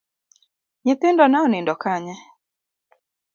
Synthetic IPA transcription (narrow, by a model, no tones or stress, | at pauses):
ɲɛt̪endɔnaɔnɛndɔkaɲa